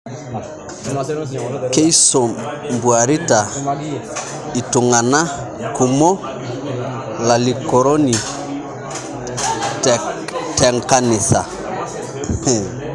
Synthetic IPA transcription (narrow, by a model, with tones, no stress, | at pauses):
ke˦i˦so˨mbu˨a˨ɾi˦ta˨ | i˨tʊ˨ŋa˨na˦ | ku˨mɔ˦ | la˨li˨kɔ˨ɾɔ˦ni˨ | ttɛ˨ŋ˨ka˦nɪ˨sa̰˨